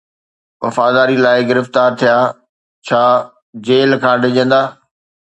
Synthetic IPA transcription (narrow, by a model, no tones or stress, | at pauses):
ʋɐ̰faːd̪aːɾilaːɪɡɪɾɪft̪aːɾt̪ʰijaː | t͡ɕʰaː | d͡ʑeːlkʰãːɖʱɪd͡ʑə̃nd̪aː